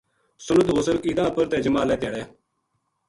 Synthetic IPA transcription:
sʊnət̪ɦoːsəɾkiːd̪ãːpəɾt̪ɛːd͡ʒəmaːlɛːt̪ɪjaːɽɛː

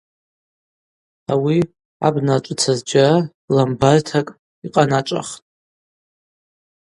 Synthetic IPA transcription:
awi | a̰bnat͡ʃʷʼt͡sʰazd͡ʒaa | lambartʰakʼ | iqʼanat͡ʃʷʼa̰χtʼ

